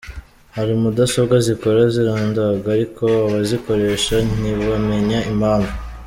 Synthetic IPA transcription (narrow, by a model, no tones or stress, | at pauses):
haɾimudasoβɡaziko̞ɾaziɾaːndaɡaːɾiko̞aβaziko̞ɾe̞ʃan̥iβame̞ɲaimaːnva